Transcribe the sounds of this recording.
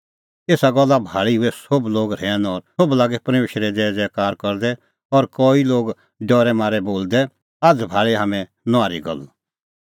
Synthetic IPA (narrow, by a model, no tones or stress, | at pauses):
eːsaɡɔlːabʱaːɭiɦʊɛsobloːɡɾɛːnɔːɾoblaːɡɛpɾmeːʃɾɛd͡zɛːd͡zɛkaːɾkɔɾd̪ɛ | ɔɾkɔːiloːɡ | ɖɔːɾɛmaːɾɛboːld̪ɛ | aːd͡zbʱaːɭeɦaːmɛ̃ | nʊaːɾiɡɔ̰l